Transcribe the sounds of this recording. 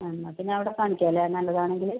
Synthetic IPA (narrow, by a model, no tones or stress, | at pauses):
ɐnːɐpinːeɐʋiɽekaːɳikʲːaːlːeenːɐlːɐðaːɳe̞ŋɡil